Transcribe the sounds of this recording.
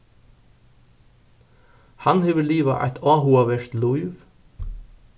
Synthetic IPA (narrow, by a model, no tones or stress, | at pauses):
hɑnheːʋəliːʋɑ̰ʔæ̰ɪt̪ʰɑːhuɑʋɛʃt̪lʊɪʋ